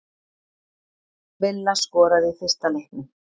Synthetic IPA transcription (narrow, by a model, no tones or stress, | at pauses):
vɪlːaskɔːɾaðɪθɪ̥st̪alejhknɪ